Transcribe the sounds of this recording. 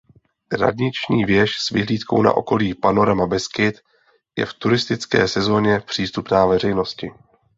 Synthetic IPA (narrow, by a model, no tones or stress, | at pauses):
ɾa̰d̪ɲɪt͡ʃɲiːvjɛʃsvɪɦliːt̪ko̞̰wna̰ʔo̞̰ko̞liːpano̞ɾamabɛskɪt̪ | jɛ̰ft̪uɾɪst̪ɪt͡skɛ̰ːsɛzo̞ːɲɛpr̝̥iːst̪upnaːvɛr̝ɛjno̞scɪ